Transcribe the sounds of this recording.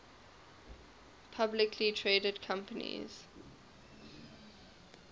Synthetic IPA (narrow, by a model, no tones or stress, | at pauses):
pʰablɪkʰlitʰɹeːdədkʰãmpənḭz̥